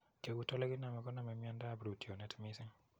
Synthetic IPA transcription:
ke˨ɡu˦tɔ˦lɛ˦ɡɪ˦na˨mɛ˨ɡɔ˦na˨mɛ˨mi˦a˦nda˦bɾu˨ti˨o˨nɛ˦tmi˦sɪ˦ŋ

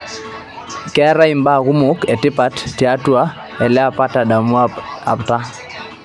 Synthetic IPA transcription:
kɛ˦ɾa˦i˨mba˦˨ɣu˦mʊ˨˦kɛ˨tɪ˦pa˦tti˨a˦tu˦a˦ | ɛ˨lɛ˦a˦˨pa˦ta˨da˨mu˦aa̰˨pta˦

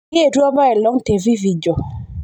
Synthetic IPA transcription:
e˦˨tu˦a˦ba˦ɛ˨lɔ˦ŋte˨vi˦vi˨d͡ʒɔ˨

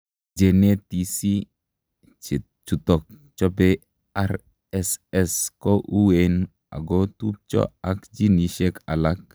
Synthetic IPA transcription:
d͡ʒe˨ne˦ti˨si˦˨ | t͡ʃu˨tɔ˨k̚ | t͡ʃɔ˦be˦ | a˦ɾ | ɛsɛ˦skɔ˦ʔu˦we˨n | a̰˨ɡɔ˦tu˦p̚t͡ʃɔ̰˦a˦kd͡ʒi˦ni˨ʃe˦ka˨la˦k̚

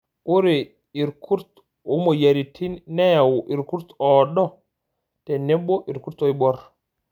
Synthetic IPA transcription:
ʔu˦ɾe˨ | i˨ɾkʰu˦ɾt̪ | o˦mo˨ja˨ɾi˨tʰi˦nːɛwu˨ʔi˨ɾku˦ɾt̪ɔɗɔ˦ | tɛ˨nɛ˦ɓɔ˦ʔi˨ɾku˦ɾt̪o˦i˦ɓɔ˦ɾ

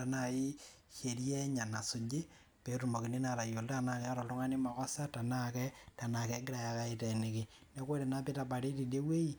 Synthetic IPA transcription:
a˨na˨ji˦ | ʃe˨ɾje˦ɲa˨na˨sʊ˨d͡ʒɪ˦ | pe˨ɾu˨mo˨ki˨ni˦na˨ɾa˨jo˨lta˦na˦ja˦ɾɔ˨lʊ˦ŋa˦ni˦ma˨kɔ˦sa˦ta˨na˦kɛ˦ta˨na˨kɛ˨˦ŋɡɪ˦ɾa˨ja˨ka˦i˨tɛ˨nɪ˨kɪ˨nɛ˦ko˦ɾe˨na˦pɪ˦ta˨pa˨ɾe˦ti˨de˦we˦i˦

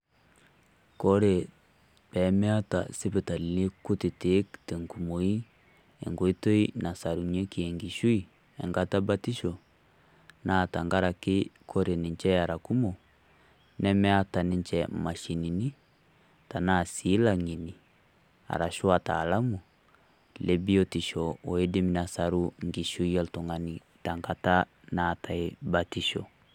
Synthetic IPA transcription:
kɔ˦ɾe˨ | pɛ˨˦mɛ˦a˦ta̰˨se˦pe˨ta˨li˨le˦ku˦te˨te˨˦kte˨ŋɡu˨mo˨i˦ | ɛ̰˨ŋɡo˨i˦to˦i˦na˨sa˨ɾu˨ɲɛ˦ki˨ɛ˨ŋɡi˨ʃu˦i˨ | ɛ̰˨ŋɡa˦ta˦ba˦ti˦ʃɔ˨ | na˦˨ta˨ŋɡa˦ɾa˨ke˦kɔ˦ɾe˨ni˨ɲt͡ʃɛ˦a˨ɾa˨ku˦mɔ˨ | nɛ˦mɛ˦a˦ta˨nɪ˦nt͡ʃɛ˨ma˨ʃi˨ni˨ni˦ | ta˨na˦˨siː˨˦la˦ŋi˨ni˨ | a̰˨ɾa˨ʃu˦a˨taː˨la˦mu˨ | le˦bi˦ɔ˦ti˨ʃɔ˨ɔ˨e˦de˦mi˨na˨sa˨ɾu˦ŋɡi˨ʃu˦i˦ɛ˦ltɔ˨ŋa˨ni˨ | ta˨ŋɡa˦ta˦ | na˦˨ta˨e˦ba˨ti˦ʃɔ˨

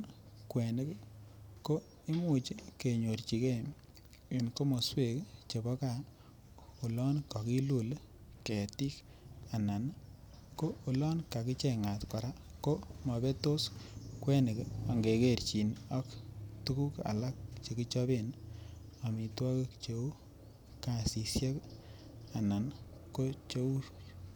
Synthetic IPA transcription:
kwe˨ne˦kko˦ | i˦mu˨t͡ʃi˦ke˨ɲo˨rt͡ʃi˨ke˦m | i˨nko˦mo˨swe˨kt͡ʃe˨bɔ˦ka˦ | u˨lɔ˦nka˨ki˦lu˨lke˨ti˦k | a˨na˨n˦ | ko˦u˨lɔ˦nka˨ki˦t͡ʃe˦ŋa˨tkɔ˨ɾa˦ko˦mɔ˨be˦to˦skwe˦nɪ˨ka˨ŋɡe˨ke˦˨rt͡ʃi˨nɔ˦ktu˦ku˦ka̰˨la˦k̚t͡ʃe˨ki˦t͡ʃɔ˦be˦˨n | a˨mi˨twɔ˦kɪ˦kt͡ʃe˨u˦ | ka˨si˨sje˦k | a˨na˨n | ko˦t͡ʃe˦u˦ɾ

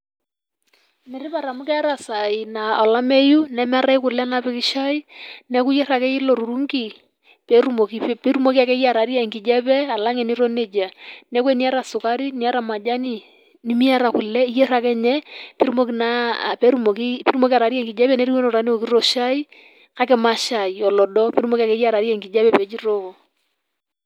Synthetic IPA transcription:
nɛ˨ɾɪ˦pa˨ɾa˨mʊ˦kɛ˦a˦ɾa˨sa˨i˨na˨ɔ˨la˦me˦ju˦nɛ˦m˦a˦ɾa˦ɪ˦kʊ˨lɛ˦na˦pɪ˦kɪ˦ʃa˦i˦nɛ˦ku˦jɛ˦ɾa˨kɛ˦ɪ˦lo˨ɾu˨ɾu˦ŋɡi˨ | pɛɾu˦mo˨kipe˦ɾu˦mo˦ki˦a˨kɛ˦ja˨ɾa˨˦ɾi˦ɛ˨ŋkɪ˨d͡ʒɛ˦pɛ˦a˨la˦ŋɛ˨ni˦ɾo˦ne˨d͡ʒa˨nɛ˦k̬we˦ni˦a˦ɾa˨sʊ˨ka˦ɾi˦ni˦a˦ɾa˨ma˨d͡ʒa˦ni˦ | ni˦mi˦a˦ɾa˨ku˨lɛ˦i˦jɛ˦ɾa˦kɛ˦ɲɛ˦pi˦ɾu˦mo˦kina̰˦pɛ˦ɾu˦mo˨ki˦pi˦ɾu˦mo˦ki˦a˨ɾa˨˦ɾi˦ɛ˦ŋɡɪ˨d͡ʒɛ˦pɛ˦nɛ˦ɾi˦we˦nɔ˨ɾa˨˦ne˦o˨ki˦ɾɔ˨ʃa˦i˦ | ka˦kɛ˨˦ma˨ʃa˨i˨ɔ˨lɔ˨dɔ˦pi˦ɾumo˦ki˦a˨kɛ˦ja˦˨ɾa˨ɾi˦ɛ˨ŋki˨d͡ʒɛ˦pɛ˦˨pɛ˨˦d͡ʒi˦ɾo˦kɔ˨

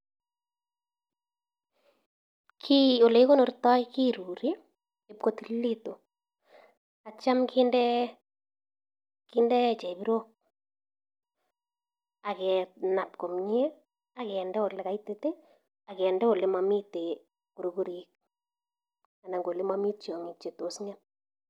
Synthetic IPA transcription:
kʰi˦o˨le˨i˦ko˦no˨ɾtɔ˦jki˦ɾu˨ɾi˦ | e˨pko˦t̪ili˦to˨ | a˨t͡ʃa˦mkɪ˦ndɛ˦ | kɪ˦ndɛ˦t͡ʃɛ˨bi˦ɾo˦k̚ | a˨kɛ˨na˨pko˨mɲe˦ | a˨kɛ˨ndɛ˦o˨lɛ˨ka˨itete˦ | a˨kɛ˨ndɛ˦o˨le˦mami˦te˨ | ku˨ɾo˨ku˦ɾi˨k̚ | a˨na˨ŋɡo˨le˦mami˦t͡ʃjɔ˨ŋi˨t͡ʃe˨to˨sɲa˦p

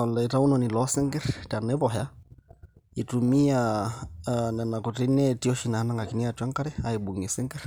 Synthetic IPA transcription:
ɔ˨la˨i˨ɾa˦u˦nɔ˨ni˨lɔ˦sɛ˦ŋɡɛ˦ɾta˨nɛ˦βɔ˨ɦa˦ | i˨tu˨mi˦a | na˨na˨kɔ˨ti˦nɛ˦ti˦ɔ˦ʃi˨na˨ha˦na˦ŋɡa˨ki˨ni˦a˨twa˦ŋka˦ɾɛ˦a˨i˨ɓu˨ŋɛ˨sɛ˦ŋɡɛ˦ɾ

